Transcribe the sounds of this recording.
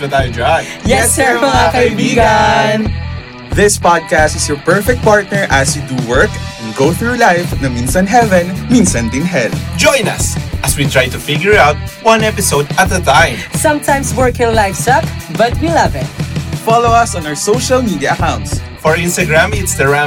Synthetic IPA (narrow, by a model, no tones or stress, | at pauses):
bɨt̪ajd͡ʒanjɛsɹakbiɡan | ðɪspɑd̪̚kæst̪ɪsjɔɹpɛɹfɛk̚t̪̚paɹt̪̚nɛɹʔɐsjud̪uwɜɹkɛ̃nɡoʊθɹuɹlajfnɐminsɐ̃nɦɛvɛ̃nmĩnsɐ̃nd̪ɪnɦɛld͡ʒɔ̃j̃nɐ̰sʔɐswit̪ɹajt̪ufɪɡjʊɹaʊt̪̚wʌ̃nɛpɪsoʊd̪ɐt̪̚ðət̪ãj̃msʌ̃mt̪ʰãj̃mswɜɹkɪ̃ŋlajfsʌkbɐt̪̚wilʌvɪt̪̚fɑlowɐsɔ̃nawəɹsoʊʃɐlmid̪iɐʔɐkãwnt̪s | fɔɹɪ̃nst̪ɐɡɹãmɪ̃nst̪ɐɡɹã